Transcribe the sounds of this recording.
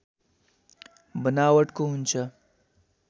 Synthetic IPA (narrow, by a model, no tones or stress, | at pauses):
bənaːwəʈkoɦʊnt͡ʃʰa